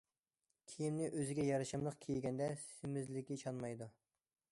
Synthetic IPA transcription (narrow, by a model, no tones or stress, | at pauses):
kʲʰijimnɪʔøzɪɡʲɛjɑɾɨʃɨmlˠəqkʲʰejɡʲɛnd̪ɛsɪmɪzlɪkʲit͡ʃʰɑnmɑjd̪u